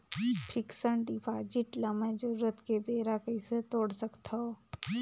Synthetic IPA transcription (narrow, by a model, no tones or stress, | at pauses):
pʰɪksəɳʈipʰaːd͡ʒiʈlɐməd͡ʒouɾət̪kebeːɾakɐiset̪oːɽsəkt̪ʰa